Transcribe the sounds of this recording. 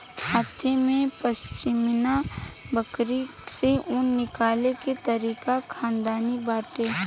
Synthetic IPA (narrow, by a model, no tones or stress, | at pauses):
haːt̪ʰemẽpəst͡ʃɪmna | bəkɾi | seʊnːɪkaːleket̪əɾiːkakʰãːnd̪aːnibaːʈeː